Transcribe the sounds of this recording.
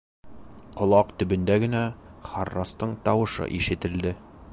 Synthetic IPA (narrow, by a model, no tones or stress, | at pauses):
qŏlˠɑqt̪ɵ̆bɵ̆nd̪æɡɘ̆næχɑrːɑst̪ɤɴt̪ɒwɤ̆ʃɤ̰ʔiʃɘ̆t̪ɘ̆ld̪ɘ